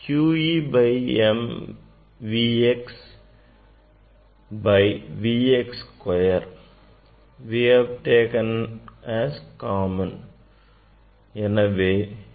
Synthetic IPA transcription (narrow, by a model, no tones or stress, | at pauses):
kjuːibajẽm | ʋiːeks | baɪʋiːekskwajəɾ | ʋihæʋʈeːkə̃næskaːmə̃n | ĩnɐʋeː